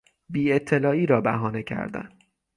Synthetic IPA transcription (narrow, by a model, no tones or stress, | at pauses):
biːe̞t̪ʰːe̞lɒːiːɾɒːbæɦɒːne̞cʰæ̰ɾd̪æ̰n